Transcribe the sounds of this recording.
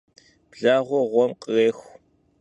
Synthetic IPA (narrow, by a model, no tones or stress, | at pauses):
b̥ɮaːʁʷɔʁʷɔmqʼəɣeːxʷ